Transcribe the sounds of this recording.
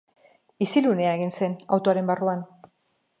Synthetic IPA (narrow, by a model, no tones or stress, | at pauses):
isilune̞aeɣinse̞na̰wt̪oaɾe̞mbaruan